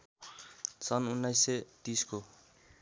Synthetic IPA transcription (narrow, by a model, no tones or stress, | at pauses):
sʌnunːajsːet̪isko